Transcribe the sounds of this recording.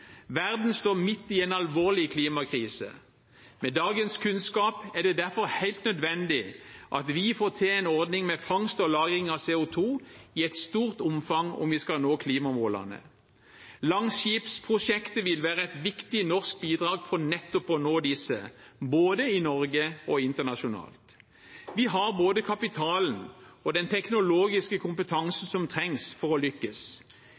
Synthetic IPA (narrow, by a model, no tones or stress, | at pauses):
ʋæʁd̪n̩st̪oːmɪt̪ːɪeːnɑlʋoːʁlɪkʰliːmɑkʰʁiːsə̰ | mɛd̪ɑːɡənskʰʉnskɑːpæʁd̪ɛd̪æʁfɔʁhæɪlt̪nœd̪ʋɛnd̪ɪʔɑt̪ʋɪfoːt̪ʰɛɛnɔʁd̪nɪŋmɛfɑŋst̪ɔlɑːɡɪŋɑʋseːʊt̪ʰuːɪɛt̪st̪uːʁt̪ʊmfɑŋɔ̰mʋɪskɑlnoːkʰliːmɑmoːlɑ̰nə̰ | lɑŋʃiːpspʰʁʊʂɛkt̪əʋɪlʋæːʁəɛɪt̪ʋɪkt̪ɪnɔʁsk̚biːd̪ʁɑːɡfɔnɛt̪ːʊpɔnoːd̪ɪsːə̰boːd̪əɪnɔʁɡəɔɪnt̪əʁnɑʃʊnɑ̰ːlt̪ | ʋɪɦɑʁboːd̪əkʰɑpɪt̪ʰɑːln̩ɔd̪ɛnt̪ʰɛknʊloːɡɪskəkʰʊmpət̪ʰɑŋsn̩sɔmt̪ʰʁɛŋsfɔʁɔlʏkːəs